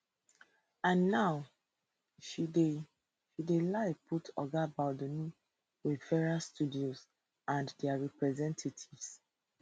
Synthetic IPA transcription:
ãnːaʊ | ʃide | ʃidelaɪpʰutʰɔ̰ɡabadoni | wiðfɛɹastudioz | ãndɛaɹɛpɹɛzɛ̃ntʰatʰivs

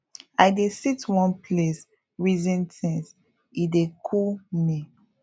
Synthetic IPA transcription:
ajdesitwɔ̃npʰles | ɹizɛ̃ntɛ̃ns | idekʰuni

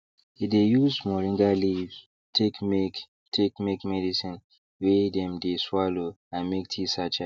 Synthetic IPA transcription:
idejusmɔɹĩŋɡaliv | tʰekmek | tʰekmekmɛdisĩn | wedɛ̃mdeswalo | ãnmek̚tʰisat͡ʃa

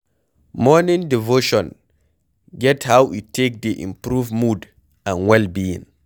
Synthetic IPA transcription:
mɔnĩŋdivoʃɔ̃n | ɡɛthawitːek̚d̪iʔḭ̃mpɾuvmud | ãnwɛlbiḭ̃ŋ

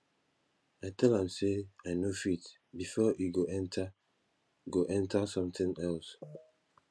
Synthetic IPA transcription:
aɪtʰɛlãmseaɪnofit | bifɔʔiɡoʔɛ̃ntʰa | ɡoʔɛ̃ntasɔ̃mt̪ĩŋɛls

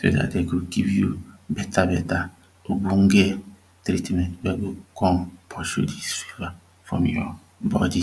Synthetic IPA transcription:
so̰da̰tdekuɡivjubetabɛta | obuŋ̩ɡe | tɾitmɛtbeɡukɔ̃npʰɔʃṵdisela | fɾɔ̰̃mjɔ̰ | bɔ̰di

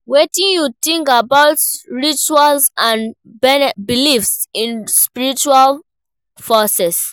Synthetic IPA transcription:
wetĩnjut̪ĩŋkabaʊtɹit͡ʃualsãn | bɛnbilifsĩnspiɹit͡ʃual | fɔsɛs

